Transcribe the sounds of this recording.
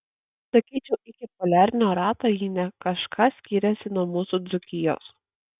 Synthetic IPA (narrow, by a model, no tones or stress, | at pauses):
sɐkʲiːt͡ʃʲɛʔɪkʲɪpɔlʲæːɾʲnʲoːɾɑːt̪ojiːnʲɛkɐʃkʰɑsʲkʲiːɾʲɛsʲɪnuɔmuːsud̪zʊkʲɪjo̰ːs